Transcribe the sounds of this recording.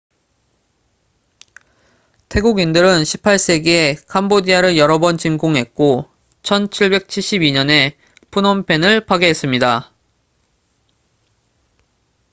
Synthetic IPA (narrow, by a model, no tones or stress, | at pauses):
tʰe̞ɡuɡindɯɾɯnɕʰi̥pʰaɭs͈e̞ɡekʰambodiaɾɯɭjʌɾʌbʌnt͡ɕimɡoŋɦe̞t̚k͈o | t͡ɕʰʌnt͡ɕʰiɭbe̞k̚t͡ɕʰiɭɕ͈ibiɲʌne̞ | pʰunʌmpʰe̞nɯɭpaɡeɦe̞s͈ɯmɲida